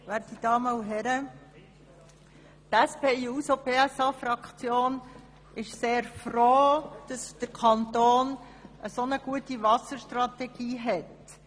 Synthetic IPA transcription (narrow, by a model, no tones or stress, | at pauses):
ʋæːtid̥ɑːməuɦɛɾə | t̪æspeːiːusopeːæsɑːfɾɑkt͡sjoːn | ɪʃseːɾfroːd̥ɑsd̪̥əɾkʰɑnt̪oːn | ʔəsonəɡ̥uətiʋɑsəɾʃtɾɑt̪ɛɡ̥iːɦɛt